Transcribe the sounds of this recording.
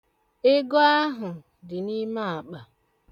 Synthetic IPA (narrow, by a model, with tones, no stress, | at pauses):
e˦ɡo˦a˦ɦʊ˨ | dɪ˨ni˦ma˦a˨k͡pa˨